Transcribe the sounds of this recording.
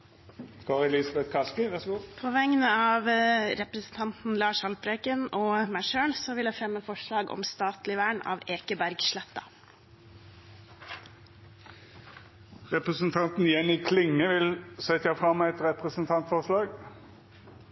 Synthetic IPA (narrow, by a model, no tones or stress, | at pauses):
ɡ̥oːʁɪlɪsɑbɛt̪kʰɑskəʋæʁsɡupʰɔʋɛŋːənəɑːʋɾɛpɾəsən̩t̪ʰɑnt̪n̩lɑːʂhɑlpɾeːkənɔːmæʃøːɳsɔʋɪljæɪfɾɛmːəfɔʂɭɑːɡɔ̰mst̪ɑːt̪lɪʋæːɳɑ̰ːʋeːkəbæɾɡʃlɛt̪ːɑ̰ | ʁɛpʁəsənt̪ʰɑnt̪n̩jɛniːkʰlɪŋːəʋɪlsɛt̪ːəjæɪfʁɑmːɛt̪ʁɛpʁəsənt̪ʰɑnt̪fɔʁʂlɑːɡ